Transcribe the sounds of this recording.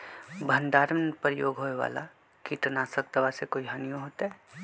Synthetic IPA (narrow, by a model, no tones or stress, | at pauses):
bʱɐ̃nd̪aːɾmənpəɾjoːɡʱɦoːeʋa̰ːla̰ | kiʈnaːsək̚d̪ɐʋasekoːiɦaːnijõɦoːt̪aɦɛ